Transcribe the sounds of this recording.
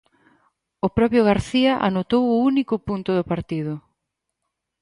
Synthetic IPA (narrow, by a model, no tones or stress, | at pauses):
ʊpɾɔpjʊɣ̞aɾθiɐʔa̰not̪owʊunikʊpunt̪ʊðʊpaɾt̪iðʊ